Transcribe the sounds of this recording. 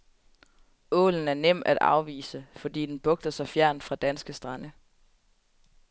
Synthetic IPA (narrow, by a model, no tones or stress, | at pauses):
ɔ̰̽ːln̩æɐnem̰æd̥ɑ̰̈ʊʋḭːsəfɒ̽d̥ḭːd̥enb̥ɔ̽ɡ̥̚d̥ɐsɑ̈ɪfjæɐ̰n̥fʁɑ̈d̥ænsɡ̥əsd̥ʁɑ̈nə